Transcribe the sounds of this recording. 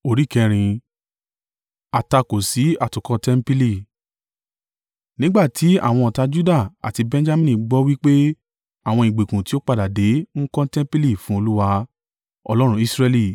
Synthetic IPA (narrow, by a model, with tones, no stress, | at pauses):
o˧ɾi˨˦kɛ̃˧ɾ̃ĩ˧ | a˨ta˧ko˨si˨˦a˦˨tũ˨kɔ̃˧tɛ˦m̩˦pi˦li˦˨ | nĩ˦ɡ͡ba˦˨ti˨˦a̰˦˨w̃ɔ̃˧ɔ˨ta˧d͡ʒu˦da˦˨a̰˨ti˧bɛ̃˧˦d͡ʒa˦mĩ˦nĩ˧˨ɡ͡bɔ˦wi˦k͡pe˦ | a˦˨w̃ɔ̃˧i˨ɡ͡be˨kũ˨ti˨˦o˦k͡pa˦˨da˨de˨˦ŋ̩˦kɔ̃˦tɛ̃˦m˦pi˦li˦˨fũ˦o˧lu˦wa˧ | ɔ̰˧lɔ˦ɾ̃ũ˧˦i˦sɾɛ˧li˦˨